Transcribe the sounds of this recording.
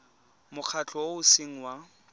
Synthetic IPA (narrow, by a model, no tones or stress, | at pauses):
mʊq͡χʰat͡ɬʰʼɔoʊsiŋ̩wa